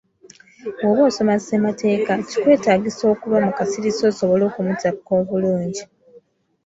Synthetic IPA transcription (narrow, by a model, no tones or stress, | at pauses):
woβoːso̞masemate̞ːkaci̥kwe̞ːtaːɡiso̞ːkuβamukasiɾiso̞ːso̞βo̞lo̞ːkumutakːo̞ːβuluːɲɟi